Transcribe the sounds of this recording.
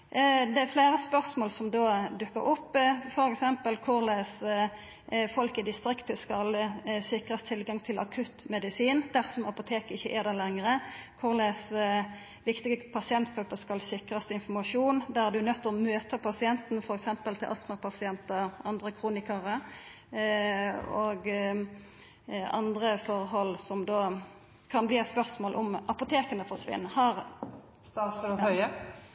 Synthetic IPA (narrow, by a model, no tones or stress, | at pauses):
d̪ɛæfleːɾəspœʁsmoːlsɔmd̪oːd̪ʉkːə̰ɾʔɔpːfɔɾɛksɛmpəlkʰʊʁlɛːs | fɔlkɪd̪ɪst̪ɾɪkt̪əskɑlsɪkʁəst̪ʰɪlɡɑŋt̪ʰɪlʔɑ̰kʰʉt̪mɛd̪ɪsiːnd̪æʁsɔmɑpʊt̪ʰeːkɪçːəʔeːd̪ɛlɛŋʁəkʰʊʁlɛs | ʋɪkt̪ɪɡəpʰɑsɪɛnt̪ɡ̥ɾʉpːəskɑlsɪkɾɑst̪əɪnfɔʁmɑʂuːnd̪æʁd̪ʉnœt̪ːɔmøːt̪əpʰɑsɪɛnt̪n̩fɔɾɛksɛmpəlt̪ʰɪlʔɑsməpʰɑsɪɛnt̪əʁɑnd̪ʁəkʰʁuːnɪkəʁə | oːɡ | ɑ̰nd̪ʁəfɔʁɦɔlsɔmd̪oː | kʰɑnbliːɛt̪spœʁsmoːlʔɔmʔɑpʊt̪ʰeːkənəfɔʂʋɪ̰nːhɑʁ | st̪ɑsəɾɔhœʏə